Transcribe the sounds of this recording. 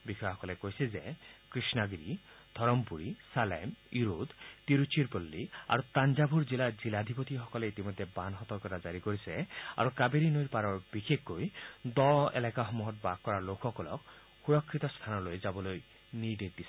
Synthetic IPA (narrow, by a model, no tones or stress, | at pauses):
bikʰjɦɔkɔlekojsezekɾisnaɡɾi | d̪ʱɔɾɔmpuɾisalemiɾud̪t̪iɾut͡ʃiɾpɔlːia̰ɾut̪and͡ʒabʱuɾd͡ʒilad͡ʒilad̪ʱipɔt̪iɦɔkɔleit̪imɔd̪ʱːebanɦɔt̪ɔɾkɔt̪ad͡ʒaɾikoɾisea̰ɾukabeɾinojɾpaɾɔɹbikʰekːojd̪ɔḛlakaɦɔmuɦɔt̪̚bakːɔɾaɾlokʰɦɔkɔlɔ̰k̚ | huɾɔkʰːit̪ɔst̪ʰanɔlojd͡ʒabɔloj | nidek̚d̪isi